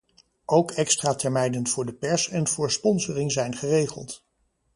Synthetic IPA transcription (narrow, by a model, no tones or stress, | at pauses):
ʔowkɛkstraːtɛɹmɛjndənv̥ʊːɹdəpɛɹsɛnvʊːɹspɔnzərɪŋzɛjnχərejχə̰lˠt